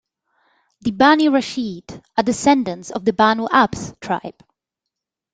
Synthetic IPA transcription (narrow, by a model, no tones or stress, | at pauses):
ðibaniɹaʃidədɪsɛ̃ndə̃nsɔvðəbanuʔabstʰɹ̥a̰ɪb̥